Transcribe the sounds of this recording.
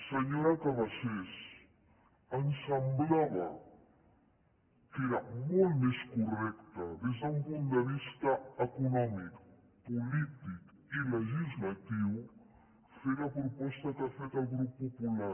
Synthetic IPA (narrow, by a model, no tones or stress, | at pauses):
səɲoɾakaβases | ənsəmblaβɐ | keɾɐmolˠt̪meskurɛkt̪ɐðezðəumpunt̪̚d̪əβist̪ɐəkunɔmik | pulit̪ik | iləʒizlat̪iw | feɾɐpɾupɔst̪ɐkafet̪alˠɣɾupːupula